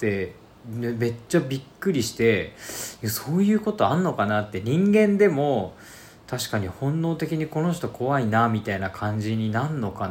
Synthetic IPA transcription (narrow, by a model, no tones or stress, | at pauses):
t̪e̞ | d̪eme̞t͡ɕːabʲikːɯ̟ɾʲiɕi̥t̪e̞jaso̞ːjɯ̟ːko̞t̪o̞anːo̞kanat̪ːe̞ɲ̟ĩŋɡẽ̞nd̪e̞mo̞ | t̪ʰaɕi̥kaɲ̟ihõ̞nːo̞ːt̪e̞kʲiɲ̟iko̞no̞ɕ̬t̪o̞kʰo̞βainamʲit̪ainakʰãɲ̟d͡ʑiɲ̟inanːo̞kan